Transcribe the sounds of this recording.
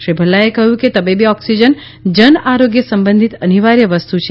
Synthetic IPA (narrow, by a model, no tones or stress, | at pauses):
ʃɾibʱəlːaekəɦjũket̪əbibiɔksid͡ʒən | d͡ʒənaɾoɡjəsəmbə̃nd̪ʱit̪əniʋaɾjəʋəst̪ut͡ʃʰ